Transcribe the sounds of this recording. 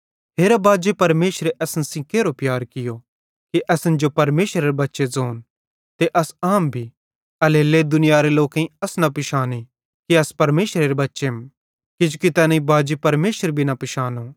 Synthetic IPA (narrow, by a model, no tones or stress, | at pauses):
ɦeːɾabaːd͡ʒepɐɾmeːʃɾeʔɛsnsĩkeːɾopjaːɾkɪjo | kiʔɐsənd͡ʒopɐɾmeːʃɾeɾebɐtːʃed͡zoːn | t̪eʔɐsaːmbʱi | ɐleːled̪ʊnɪjaɾeloːkẽĩɐsnɐpɪʃaːni | kiɐspɐɾmeːʃɾeɾebɐtːʃem | kid͡ʒʊkit̪ɛːnaĩbaːd͡ʒepɐɾmeːʃəɾbʱinɐpɪʃaːno